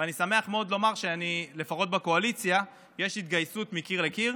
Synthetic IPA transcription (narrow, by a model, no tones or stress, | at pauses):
vanisame̞aχmeo̞d̪lo̞maʁʃeanile̞faχot̪̚bako̞alit͡sja | jeʃhit̪ɡajsut̪mikiʁlekiʁ